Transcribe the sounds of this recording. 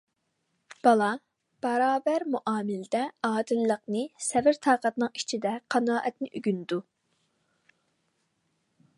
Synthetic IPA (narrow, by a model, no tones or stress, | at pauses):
b̥ɑlˠɑ | b̥ɑɾɑːbæɾmuʔɑːmɪld̪ɛɑːd̪ɨlːəqnɨsɛvɪɾt̪ʰɑːqɑt̪nɨŋi̥t͡ʃʰid̪ɛqʰɑnɑːʔɛt̪nɪʔyɡʲynd̪u